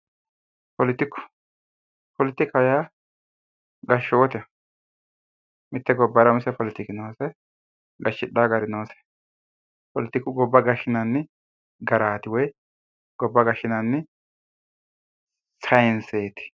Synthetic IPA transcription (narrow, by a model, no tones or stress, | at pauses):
pɔlɪt̪ːɪkːʊ̥ | pɔlɪt̪ːɪkɐja | ɡɐʃːɔwɔt̪ɛ | mɪt̪ːɛɡɔbːɐɾɐmʊsɛpɔlɪt̪ɪkɪnoːsɛ | ɡɐʃːɪᶑaːɡɐɾɪnoːsɛ̥ | pɔlɪt̪ːɪkːʊɡɔbːɐɡɐʃɪnɐnːɪ | ɡɐɾaːt̪ɪwɔj | ɡ̥ɔbːɐɡɐʃɪnɐnːɪ | sɐjɪnseːt̪ɪ̥